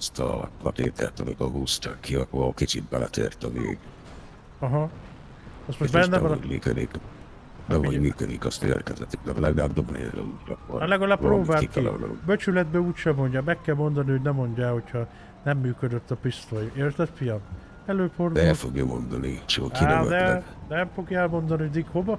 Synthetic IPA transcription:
st̪ɔlat̪eːt̪ʰɛ̰ɾt̪ɔvekɔɡust̪akʰːiɔkɔkit͡ʃibːalat̪ʰɛ̰rt̪ɔvḛːɡ | ɒɦɒ | ɒst̪moʃbɛnːɛɔmikɛd̪ik | bɛmomikɛd̪ikɔst̪ḛɾkɛzɛt̪id̪aɾlɛɡdad̪oblelɛ̰uɾɔkɔlɛɡɒlaːppːɾoːbaːikːia̰nabøt͡ʃylɛd̪bɛuːcʃɛmo̞ɲɟɒmɛkːɛlmo̞nd̪ɒnihoɟnɛmːo̞ɲɟaho̞cʰhɒ | nɛmːyːkød̪øt̪ːɒpist̪ojeːrt̪ɛt̪fijɒm | ɛløːforɛlfoɡjɔmond̪ɒnit͡ʃiokiɛd̪ɛnɛmfo̞ɡjɛlmo̞nd̪ɒniod̪ikhovɒ

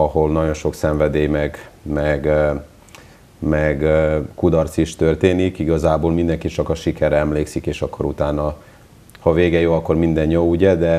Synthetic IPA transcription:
ɒɦo̞lnɒɟo̞nʃo̞ksɛɱvɛd̪eːjmɛɡmɛɡ | mɛɡkud̪ɒrt̪siʃt̪ørt̪eːnikiɡɒzaːboːlmind̪ɛŋkit͡ʃɒkɒʃikɛɾɛɛmleːksikeːʃɒkːo̞ɾut̪aːnɒ | hɒveːɡɛjoːɒkːo̞rmind̪ɛnjouɟɛd̪ɛ

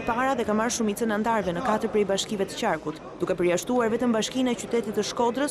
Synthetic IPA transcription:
paɾaðɛkamaɾʃumit͡sənɛant̪aɾvɛnəkat̪əɾpɾɛjbaʃkivɛt̪ə̥t͡ɕaɾkut̪ | d̪ukɛpəɾjaʃt̪uaɾvɛt̪əmbaʃkinaɛt͡ɕyt̪ɛt̪it̪ːəʃkɔd̪ɾəs

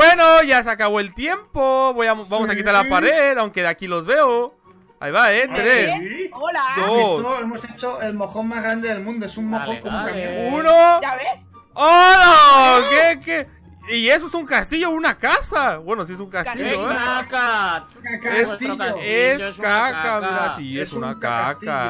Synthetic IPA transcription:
bwenoʝas̬eakaβo̞elt̪je̞mpoβojamosβamosakit̪aɾlapaɾeðawŋke̞ðeakilo̞zβe̞o | a̰jβaent̪ɾe | d̪oemoset͡ʃoʔelmoxonmazɣɾand̪eðelmũnd̪oesunmoxokomaunoae | onokeke | ie̞s̬oesuŋkast̪iʝo̞unakasaβwenos̬ies̬uŋkast̪iʝoaka | ket̪iʝoeskakamiðasiesunaka̰k̪a

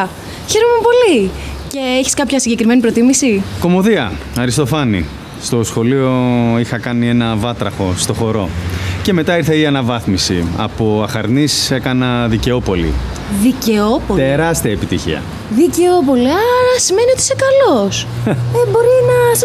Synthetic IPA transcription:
çe̞ɾomepo̞li | ce̞eçi̥skɐpçɐsiɲɟekɾime̞nipɾo̞t̪imisiko̞mo̞ðiɐ | ɐɾist̪o̞fɐnḭ | st̪o̞sxo̞lio̞ixɐkɐnienɐvɐt̪ɾɐxo̞st̪o̞xo̞ɾo̞ceme̞t̪ɐiɾθeiɐnɐvɐθmisḭɐ̰poɐxɐɾnise̞kɐnɐðice̞o̞po̞lḭ | ðiceopot̪eɾɐst̪iɐepit̪içḭɐ̰ | ðice̞op̬o̞liɐɾɐsime̞niot̪i̥sekɐlosebo̞ɾinɐ

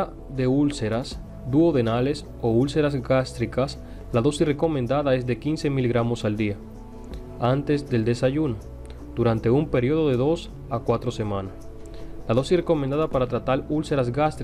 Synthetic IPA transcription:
a | ðe̞ulse̞ɾas | d̪uoðe̞nale̞s | o̞ulse̞ɾazɡast̪ɾikas | laðo̞sisre̞ko̞mẽnd̪aðae̞zðe̞kinse̞miliɣɾamo̞sald̪ia | ant̪e̞zd̪e̞ld̪e̞saʝuno̞ | d̪̥uɾant̪e̞umpe̞ɾio̞ðo̞ðe̞ðo̞s | akwat̪ɾo̞se̞mãnas | laðo̞sisreko̞mend̪aðapaɾat̪ɾat̪alulse̞ɾazɡast̪ɾ

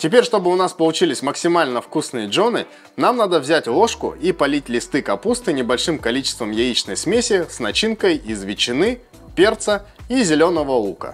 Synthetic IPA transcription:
tʲɪpʲeɾʲʂt̪o̞bɨʊnaspəlˠʊt͡ɕilʲɪsʲməksʲɪmalʲnəfkusnɨjəʐo̞nɨ | namnad̪əvzʲætʲlˠo̞ʂkʊ̰ipɐlʲitʲlʲɪst̪ɨkɐpust̪ɨnʲɪbɐlʲʂɨmkɐlʲit͡ɕɪ̥st̪vəmjɛit͡ɕnəjsmʲesʲɪsnɐt͡ɕinkəjizvʲɪt͡ɕːɪnɨ | pʲert̪səizʲɪlʲo̞nəvəukə̰

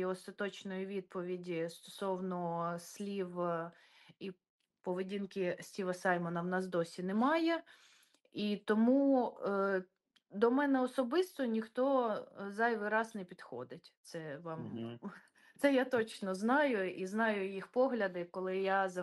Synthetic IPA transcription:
ɔst̪ɐt̪ɔt͡ʃnɔjiʋʲid̪̚pɔʋʲidʲist̪ɔ̥sɔwnɔsʲlʲiʋ | i | pɔʋedʲinkɪsʲtʲiʋɐsɑjmɔnɐwnɑsd̪ɔsʲinɛmɑjɛ | it̪ɔmu | d̪ɔmɛnɛɔsɔbɪst̪ɔnʲixt̪ɔzɑjʋɪɾɑsnɛpʲid̪xɔ̰d̪ɪtʲt̪sɛʋɑm | t̪sɛjat̪ɔt͡ʃnɔznɑjʊiznɑjʊjixpɔɦlʲɐd̪ɪkɔlˠɪjazɐ

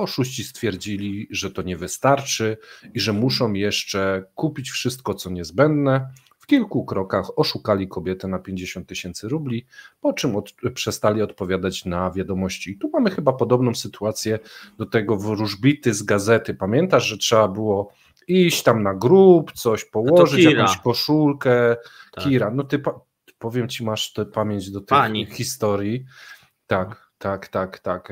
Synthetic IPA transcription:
ɔʂuɕt͡ɕist̪fʲjɛɾd͡ʑilʲiʐɛt̪ɔɲɛvɘst̪aɾt͡ʂɘiʐɛmuʂɔ̃w̃jɛʂt͡ʂɛkupʲit͡ɕfʂɘst̪kɔt̪sɔɲɛzbɛnd̪nɛ | fkʲilkukɾɔkaxɔʂukalʲikɔbʲjɛt̪ɛnapʲjeɲd͡ʑeɕɔ̃nt̪ːɘɕɛnt̪sɘɾublʲipɔt͡ʂɘmɔpʂɛst̪alʲiɔt̪pɔvʲjad̪at͡ɕnavʲjad̪ɔmɔɕt͡ɕiːt̪umamɘxɘbapɔd̪ɔbnɔ̃w̃sɘt̪uat̪sʲjɛd̪ɔt̪ɛɡɔvɾuʐbʲit̪ɘzɡazɛt̪ɘpamʲjɛnt̪aʐʐɛtʂɛbabɘwɔ | iɕt͡ɕt̪amnaɡɾupt̪sɔɕpɔwɔʐɘt͡ɕakɔ̃t͡ɕkɔʂulkɛkʲiɾanɔt̪ɘpa | pɔvʲjɛmt͡ɕimaʂt̪ɛpamʲjeɲd͡ʑd̪ɔt̪ɛxʲist̪ɔɾji | t̪ak | t̪akt̪akt̪ak

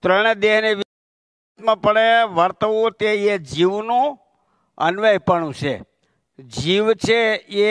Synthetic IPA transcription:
t̪ɾəɳ̃ed̪eɦneʋ | t̪mãpəɽeʋəɾt̪əʋũt̪eed͡ʒiʋnũ | ə̰nʋəjpəɳũt͡ʃʰḛ | d͡ʒiʋt͡ʃʰee

